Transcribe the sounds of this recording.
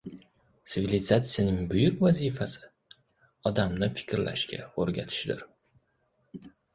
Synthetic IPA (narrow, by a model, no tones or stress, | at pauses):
t̪sɪvʲilʲɪzat̪sɨjanɪŋbʊjʊkʲvazifasɪ̥ | ɒd̪amnɪfɪ̥kʲɾlʔa̰ʃkʲa̰oɾɡʲat̪ʰɪ̥ʃd̪ɪɾ